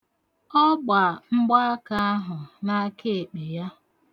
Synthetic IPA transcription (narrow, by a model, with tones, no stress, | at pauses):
ɔ˦ɡ͡ba˨ŋ͡m̩˦ɡ͡ba˦a˦ka˦ɦʊ˨na˦ke˦e˨k͡pe˨ja˦